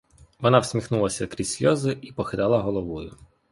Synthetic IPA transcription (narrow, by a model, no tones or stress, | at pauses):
ʋɔnɑwsʲmʲixnulˠɐsʲɐkɾʲisʲlʲɔzɪipɔxɪd̪ɑlˠɐɦɔlˠɔʋɔjʊ